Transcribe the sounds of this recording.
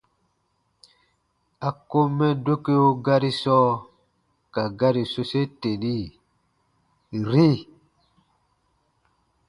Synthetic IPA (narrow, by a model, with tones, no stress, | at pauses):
a˨ko˦mɛ˦do˦ke˦o˦ɡa˦ɾi˦sɔ˦ | ka˨ɡa˦ɾi˨so˦se˦te˨ni˦ | ɾi˦